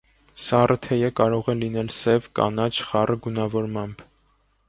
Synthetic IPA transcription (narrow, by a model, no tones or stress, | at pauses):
sɑrət̪ʰɛjəkɑɾɔʁɛlinɛlsɛvkɑ̰nɑt͡ʃʰχɑrəɡunɑvɔɾmɑmb